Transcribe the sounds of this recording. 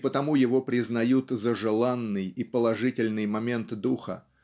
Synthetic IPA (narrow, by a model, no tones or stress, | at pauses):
pət̪ɐmujɪvo̞pɾʲɪznɐjut̪zəʐɨlˠanːɨjipəlˠɐʐɨtʲɪlʲnɨjmɐmʲe̞nt̪d̪uxə̰